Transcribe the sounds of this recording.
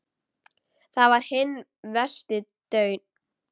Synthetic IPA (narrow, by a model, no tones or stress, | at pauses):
θavaɾ̥hɪnː | vɛ̥st̪ɪt̪œːɥn